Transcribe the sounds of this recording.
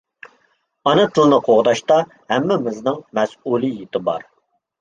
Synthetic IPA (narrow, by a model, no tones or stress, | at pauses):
ɑnɨt̪ʰɨlˠɨnɨqʰoʁd̪ɑʃt̪ɑ | hɛmːɛmɪznɨŋmɛsulˠijet̪ɪbɑ̰ɾ